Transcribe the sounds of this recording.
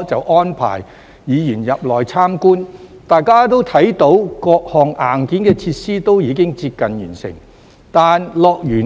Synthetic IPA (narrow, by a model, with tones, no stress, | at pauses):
t͡sɐ˨wʔɔː˥npʰa̰ː˨˩j | jiː˨˧jyː˨˩njɐ˨p̚lɔː˨˩jt͡sʰaː˥mkuː˥nt̪aː˨jkaː˥t̪o˥wt̪ʰɐ˨˥jt̪o˨˥wkɔː˧k̚hɔː˨ŋʔaː˨˩nkiː˨˥nkɛː˧t͡sʰiː˧t̚siː˥t̪o˥wjiː˨˧kɪ˥ŋt͡siː˧p̚kɐ˨njyː˨˩nsɪ̰˨˩ŋ | t̪aː˨nlɔː˨˧k̚jyː˨˩